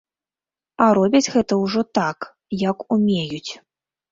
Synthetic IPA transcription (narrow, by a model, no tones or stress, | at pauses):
ɐɾɔbʲɐd͡zʲɣɛt̪ɐwʐɔt̪ak | jɐkumʲejut͡sʲ